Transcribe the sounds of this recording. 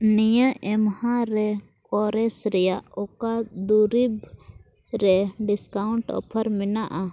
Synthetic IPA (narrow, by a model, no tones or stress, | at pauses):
nijəʔɛmhãɾɛ | kɔɾɛsɾɛjaɔkad̪uɾib | ɾɛɖiskaʊɳʈɔ̰pʰəɾminaʔa